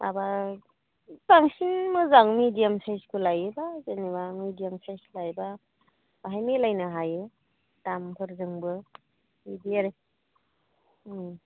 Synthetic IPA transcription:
a̰ba | taŋsiŋmɯzaŋmidijamsajskʰulajebazenibamidijamsajslajba | baɦajmelajnɯɦaje | tampʰɯɾzɯŋbɯ | idijaɾe

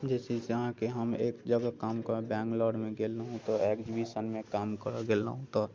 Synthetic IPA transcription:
d͡ʒɛːsesəɦãkeɦəmeːkd͡ʒəɡakaːmkəɾbɛ̃ːŋklɔːɖmẽɡeːləɦũt̪oɛːkd͡ʒibisənmẽkaːmkəɾaɡela̰ɦũt̪ɔ

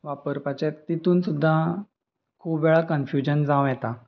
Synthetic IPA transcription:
ʋapəɾpat͡ɕet̪it̪uːnsud̪ʱːa | kʰuːpʋɛɭakənfjud͡ʑənd͡zãʋjɛt̪a

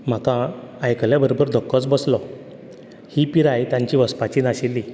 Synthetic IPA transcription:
m̤akãːjkəljabəɾobəɾd̪ʱɔkːət͡sbəslɔ | hipiɾajt̪jãɲt͡ɕiːʋəspat͡ɕiːnaɕilːi

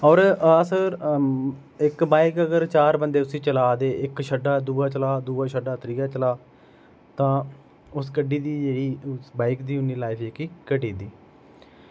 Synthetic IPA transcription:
ɔːɾaːsəɾ | ɪkbaːɪkəɡəɾt͡ʃaːɾbənd̪eːt̪ʊsĩːt͡ʃəlaːd̪eːʔɪkʃʰəɖːaːd̪uːaːt͡ʃəlaːd̪uːaːʃʰəɖaːt̪əɾiːaːt͡ʃəlaː | t̪ãː | ʊskəɖiːd̪iːd͡ʒeːɽiːsbaːɪkd̪iːʊnːiːlaːɪpʰekiːkəʈiːd̪iː

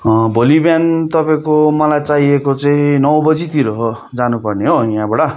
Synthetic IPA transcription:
bʱolibjant̪ʌpaẽkomʌlajt͡saɦiekot͡saĩnʌwbʌd͡zit̪iɾʌɦo | d͡zanupʌrneɦojãbaɽʌ

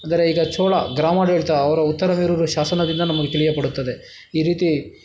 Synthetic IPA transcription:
ɐnd̪ɐɾe̞iːɡɐt͡ʃoːɭɐɡɾaːmɐdeːɭt̪ɐɐʋɐɾɐut̪ːɐɾɐmeːɾuɾuʃaːsɐnɐd̪ind̪ɐnɐmɐɡet̪iɭijɐpɐɽut̪ːɐd̪e̞ | iːɾiːt̪i

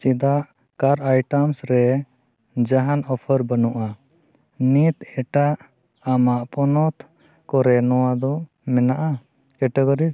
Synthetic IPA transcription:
t͡ʃid̪aʔ | kaɾajʈəmsɾɛ | d͡ʒaɦanɔpʰəɾbənuʔa | nit̪ɛʈaʔ | amaʔpɔnɔt̪ʰ | kɔɾɛnɔwad̪ɔ | mɛnaʔa | kɛʈɛɡɔɾi

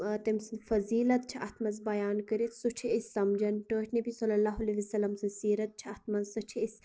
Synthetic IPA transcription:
t̪ɐmsɐnfɐziːlɐt̪̚t͡ʃʰiʔɐt̪ʰmɐzbɐjaːnkəɾit̪ʰsut͡ʃʰiisʲːɐmd͡ʒɐnʈoːt͡ʃʲʰnɐbisɐlɐlaːɦɐleʋisɐlːɐmsɐnsiːɾɐt̪̚t͡ʃʰiɐt̪ʰmɐnzsɐt͡ʃʰiis

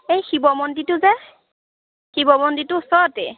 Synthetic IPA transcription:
ejxibɔmɔnditʊzɛ | xibɔmɔnditʊsɔtɛ

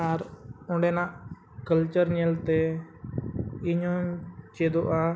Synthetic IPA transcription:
aɾʊ̃ɳɖeːnã | kəlt͡ʃəɾnelt̪e | ɪɲõt͡ʃeːd̪oʔa

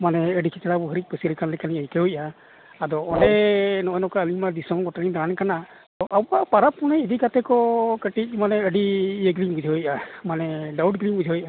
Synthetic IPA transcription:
manɛəɖikʰɛt͡ʃɛlabɔɦəɾic̚ˀpəsiɾɛkanlɛkaniəjkɛujʔaː | d̪ɔɔɖɛnɔɔnɔkaəlimad̪isɔmɡɔʈaɽind̪aankana | t̪ɔʔawapaɾapːunɛid̪ikat̪ɛkɔkəʈic̚manɛəɖiəɡlimɡud͡ʒʱɔɔjamanɛɖawuɖɡlimɡud͡ʒʱɔɔjʔa

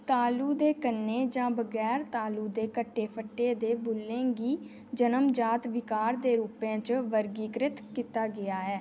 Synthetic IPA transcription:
t̪aːluːd̪eːkənːeːd͡ʒãːbəɡɛːɾt̪aːluːd̪eːkəʈːeːpʰəʈːeːd̪eːbʊlːẽːɡiː | d͡ʒənəmd͡ʒaːt̪ʋɪkaːɾd̪eːɾuːpẽːt͡ʃʋəɾɡiːɡɾɪt̪kiːt̪aːɡɪaːɦɛː

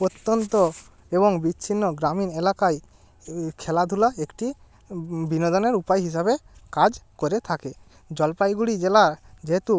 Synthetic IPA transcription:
ot̪ːont̪o | eβɔŋbit͡ʃʰinːoɡɾaminelakaj | kʰɛlad̪ʱulaekʈi | binod̪oneɾupajɦiʃ̬aβekad͡ʒkoɾet̪ʰake | d͡ʒɔlpajɡuɽid͡ʒelad͡ʒeɦet̪u

